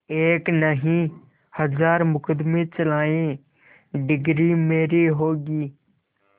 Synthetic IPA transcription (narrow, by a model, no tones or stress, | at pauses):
eːknəɦĩ | həzaːɾmʊkʰəd̪mẽt͡ʃəlaːẽ | ɖɪɡɾimeːɾiɦoːɡiː